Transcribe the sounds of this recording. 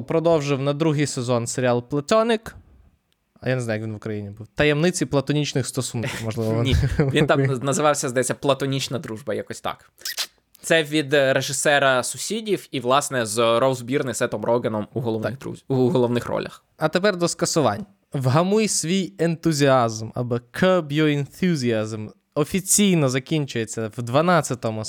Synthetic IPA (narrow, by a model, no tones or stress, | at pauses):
pɾɔd̪ɔwʒɪwnɐd̪ɾuɦijsezɔnseɾʲɪɑlˠplˠɐt̪ʲɔnɪk | ɐjaneznaʊjkʋʲinʋʊkɾɐjinʲibuwt̪ɐjɛmnɪt͡sʲiplˠɐt̪ɔnʲit͡ʃnɪxst̪ɔsunkʲiwmɔʒlˠɪʋɔnʲiʋint̪ɑmnɐzɪʋɑwsʲɐzɐjɛt͡sʲːɐplˠɐt̪ɔnʲit͡ʃnɐd̪ɾuʒbɐjakɔsʲt̪ɑ̰k | t̪sɛʋʲid̪ɾeʒɪsɛɾɐsʊsʲidʲiwiʋlˠɑsnɛzrɔzbʲirnɪsɛt̪ɔmɾɔɡɪnɔmuɦɔɔ̰uɦɔlˠɔʋnɪxrɔ̰lʲɐ̰x | ɐt̪epɛrd̪ɔskɐsʊʋɑ̰nʲːɐ | ʋɦɐmujsʲʋʲijent̪ʊzʲiɑzmɐ̰bɔkʰɔbjɔɪnθʲuzʲiazm | ɔfʲit͡sʲijnɔzɐkʲinʲt͡ʃʊjet͡sʲːɐʋd̪ʋɐnɑt͡sʲːɐt̪ɔmʊ